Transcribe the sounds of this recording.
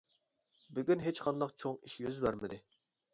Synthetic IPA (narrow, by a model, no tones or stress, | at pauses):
byɡʲynɦet͡ʃqʰɑnd̪ɑqt͡ʃʰoŋiʃjøzbæɾmɪd̪ɪ